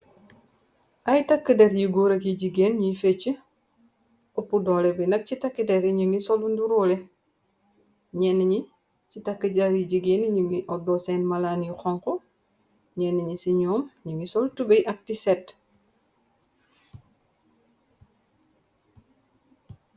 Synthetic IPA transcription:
ʔajtakːədeɾjiɡoɾɐkjiɟiɡeːnɲifet͡ʃːə | opudɔlɛbɛnɐk̚citakːidɛɾiɲuŋisɔlunduɾole | ɲɛnːiɲi | citakːəɟaɾiɟiɡeːnɲəŋiʔɔdɔsɛːnmalaːnjixɔŋkɔ | ɲɛnːiɲisiɲɔːmɲəŋisɔltubejʔɐk̚tisɛt

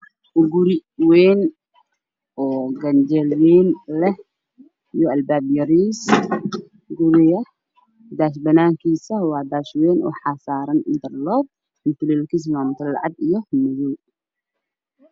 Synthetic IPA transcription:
ʔuɡuɾiwen | ʔoɡɐnd͡ʒɐlwenlɐ | joɐlbabjɐɾis | ɡuɾijɐ | d̪aʃ̬bɐnankisɐhwad̪aʃweno̰ħasaɾɐnɨnt̪ʰɐɾlob̚ | nt̪ɨlilkis̬mamt̪ʰɐllːa̰ʕad̪ɨjːohmɐzu

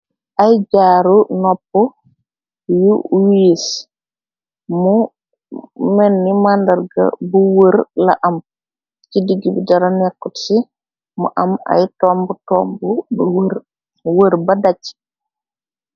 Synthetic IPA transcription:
ʔajɟaːɾunɔpːɔ | juwies | mu | mɛnːimandɐɾɡa̰buwəɾla̰ʔɐm | cidiɡibidaɾanɛkːutsi | mṵʔama̰jtɔmbutɔːmbu | wəɾbɐdat͡ʃːi̥

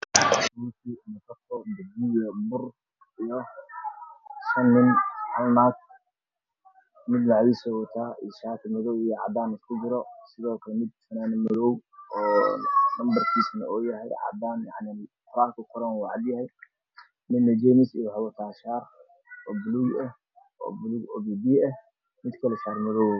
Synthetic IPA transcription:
ut̪ʰinɐkʰɐtɔdʊd̪ujɐbʊr | ijɔ | ʃɐnːɪnħɑ̰lnaːk̪̚ | mɪd̪laʕjisɔwɐt̪ʰaːḭʃaːk̪ʰɐmɪðɔwijɔʕɑ̰d̪aːnɪskʰʊd͡ʒɪɾɔsɪðɔːkʰɐlɛmɪd̪̚fɐnaːnɪmʊðɔwɔːnɐmbɐrkʰiːsnɐɔːjɐɦɛjʕɑ̰d̪aːnja̰ʕnɪqʰʊɾaːŋkʰʊqʰʊɾɐnwʕɑd̪jɐhɛj | mɪd̪ːɐd͡ʒɛmɪsijħɑwɐt̪ʰaːʃaːr | ɔːbʊluːɡɐh | ɔ̰ːblɡɔːbiːbiːɐh | mɪd̪kʰɐlɛsaːrmɐðɔwɛ

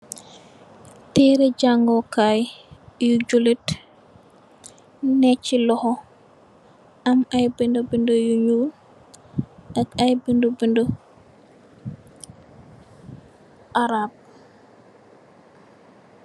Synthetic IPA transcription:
tiːɾɛɟaŋɡɔkajjuɟulit | nɛcilɔhɔ | ʔɐmajbindobindojuɲul | ʔɐkajbindobindo | ʔaɾab̚

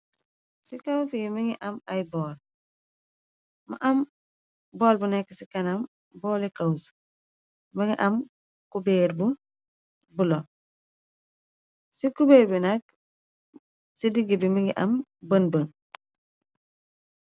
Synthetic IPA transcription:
sikawfijmiŋiʔɐmajbɔːl | ma̰ʔɐm | bɔːlbunɛkːesikɐnɐm | bɔːlekaws | miŋiʔɐm | kubeːɾbu | bulɔn | sikubeːɾbinɐk̚ | sidiɡibimiŋiʔɐmbənbən

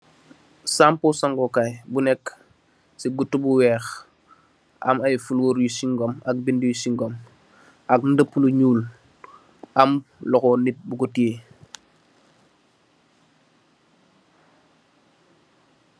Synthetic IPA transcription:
sampusaŋɡɔkajbunɛkː | siɡutːubuwɛːx | ʔa̰majfulwoːɾjusiŋɡɔmak̚bindijusiŋɡɔm | ak̚ndəpːuluɲuːl | amlɔkɔnit̚buɡutie

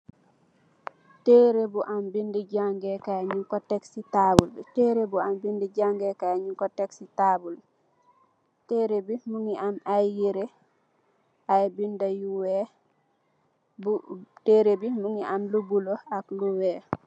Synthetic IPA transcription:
tɛɾebuʔambindɛd͡ʒaŋɡɛkaɲukɔtɛksitabultɛɾebuambindɛd͡ʒaŋɡɛkaɲukɔtɛksitabul | teɾebimuŋiʔamajiɾɛ | ʔajbindajuwɛ | buteɾebimuŋiʔamlubulɔakluwɛ

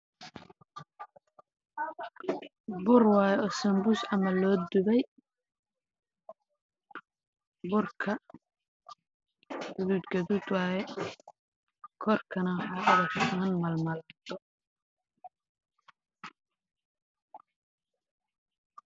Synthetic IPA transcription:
bʊrwɑːjɛʔɔsɐmbʊsɐmɐlɔːd̪ʊβɛj | bʊrkʰɐ | ɡʊðuːd̪ɡɐðuːd̪wɑːjɛ | kʰɔrkʰɐnɐwħɑːʊðɐkmɐnmɐlmɐlat̪ʰɔ

